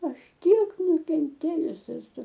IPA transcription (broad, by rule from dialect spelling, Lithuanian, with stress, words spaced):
ˈɐʃ ˈtʲiɛk nʊkʲɛnʲˈtʲeːjʊs ɛˈsʊ